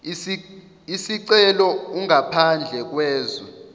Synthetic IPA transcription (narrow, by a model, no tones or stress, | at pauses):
isiǀɛlɔuŋapʰand͡ɮʱɛk̬wɛːzɔ